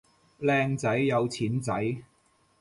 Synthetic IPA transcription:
lɛː˧ŋt͡sɐ˨˥jːɐ˨˧wt͡sʰiː˨˥nt͡sɐ˨˥j

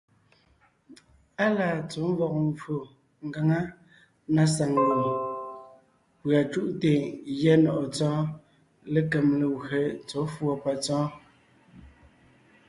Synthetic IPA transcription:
a˦laː˨t͡so˨˦m˦vɔ˨k̚ɱ˨vo˨ | ŋ˨ɡa˨ŋa˦ | na˦sa˨ŋwo˨l | pɰa˨t͡ʃu˦ʔte˨jɛ˦nɔ˨ʔɔ˨t͡sɔ̃ː˦ | le˦kɛ˨mle˨wɣe˨t͡so˨˦fwɔ˨pa˨t͡sɔ̃ː˦

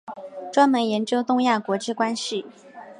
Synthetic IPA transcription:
ʈ͡ʂwa˥nmə˧˥njɛ˧˥nt͡ɕjo˥ʊt̪ʊ˥˧ŋja˥˩kwɔ˧˥ʈ͡ʂɻ̩˥˧kwa˥nɕi˨˩

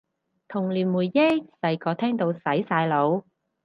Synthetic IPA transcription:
t̪ʰʊ˨˩ŋliː˨˩nmuː˨˩jːe˥sɐ˨˧jkɔː˨˧t̪ʰɛː˥ŋt̪o˧wsɐ˨˥jsaː˧jlo˨˧w

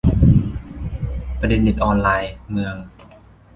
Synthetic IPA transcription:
pa˧de˧nːi˨˩t̪̚ʔɔː˧nlaː˧jmɯ˧əŋ

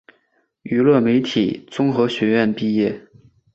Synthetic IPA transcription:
y˧˥lwə˥˩me˧˥ɪt̪ʰi˨˩t͡sʊ˥ŋxɤ˧˥ɕɥɛ˧˥ɥɛ˥˧npi˥˧jɛ˥˩

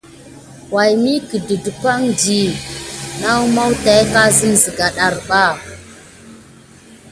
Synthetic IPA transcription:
wa˨jmi˦ki˨də˨du˨kʷa˦ŋdi˨ | na˦wma˦wta˨jka˦zə˦mzə˨ɡa˨ɗa˨ɾɓa˦˨

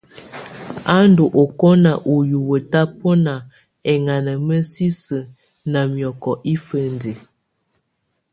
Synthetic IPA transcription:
a˦ndo˨ʔo˨kɔ˦na˨ʔu˨ju˨wə˨ta˦pɔ˦na˨ | ɛ˨ŋa˨nə˨mə˦si˦sə˨ | na˨mjɔ˨kɔ˨ʔi˦fə˦ndi˨

